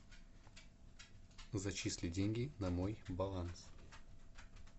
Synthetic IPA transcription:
zɐt͡ɕisʲlʲɪdʲenʲɡʲɪnɐmojbɐlˠans

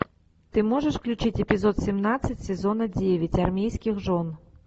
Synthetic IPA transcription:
t̪ɪmɔʐɛʂfklʲut͡ʃɪtʲepʲizɔt̪sʲimnasʲːɐtʲsʲɛzɔnɐdʲeʋʲɐtʲɐrmʲijsʲkʲɪxʐɔn

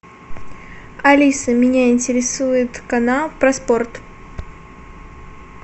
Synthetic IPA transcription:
ɐlʲisəmʲɪnʲaɪnʲtʲɪɾʲɪsujɪt̪kɐnalˠpɾɐspo̞rt̪

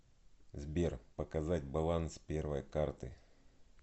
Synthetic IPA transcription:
zbʲerpəkɐzatʲbɐlˠanspʲervəjkart̪ɨ

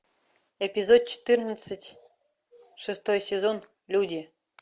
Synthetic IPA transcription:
epʲizot̪̚t͡ɕɪ̥t̪ɨrnət͡s̪ːətʲ | ʂɨst̪ojsʲezon | lʲud̪ʲi

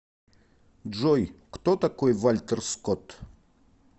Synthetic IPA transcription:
ʐojkt̪ot̪akojvalʲt̪ərskot̪

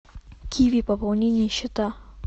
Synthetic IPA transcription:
kʲʰijvʲipəpɐlˠnʲenʲɪjəɕːɪt̪a

